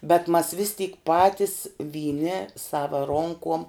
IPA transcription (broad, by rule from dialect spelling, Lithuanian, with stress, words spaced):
bʲɛt mɐs ʋʲɪs tʲiːk ˈpɑːtʲɪs ʋʲiːˈnʲɪ ˈsɑːʋɐ ˈroːŋkoːm